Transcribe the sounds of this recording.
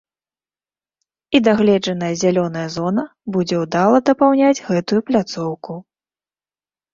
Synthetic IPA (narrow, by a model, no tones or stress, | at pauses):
id̪aɣlʲɛd͡ʐɐn̪ɐjɐzʲalʲɔnɐjɐzɔnɐbud͡zʲɛwd̪alˠɐd̪ɐpawnʲad͡zʲɣɛt̪ujuplʲat̪sɔwku